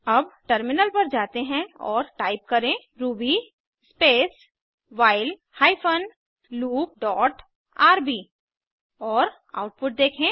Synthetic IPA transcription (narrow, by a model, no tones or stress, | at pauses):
ɐbʈəɾmɪnəlpɐɾd͡ʒaːt̪eɦɛ̃ɔːɾʈaːɪp̚kɐɾẽ | ɾuːbi | speːs | ʋaːɪl | haːɪpʰən | luːp̚ɖɔːʈ | aːɾbiː | ɔːɾ | a̰ːʊʈ̚pʊʈ̚d̪eːkʰẽ